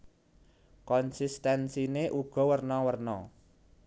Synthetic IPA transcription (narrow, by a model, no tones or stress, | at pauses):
kɔnsist̪ɛnsineʔuɡ̥ɔ̤wərnɔwərnɔ